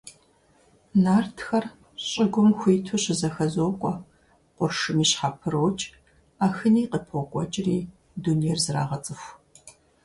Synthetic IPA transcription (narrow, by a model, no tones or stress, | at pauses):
naːrtʰxɐr | ɕʼɪɡʷʊmxʷiːtʰoɕɪzɐxɐzoːkʷʼɔ | qʷʊrʂɨmiːɕħaːpʰɨɾoːt͡ʃʼ | aːxɨniːqəpʰokʷʼɔt͡ʃʼɪriː | dunejɛrzɨra̰ːʁɐt͡sʼɨxʷ